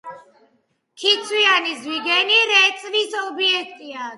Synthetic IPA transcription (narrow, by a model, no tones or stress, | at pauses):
kʰit̪sʰwianizwiɡɛniɾɛt̪sʼvisɔbiɛk̚ʰt̪ʼia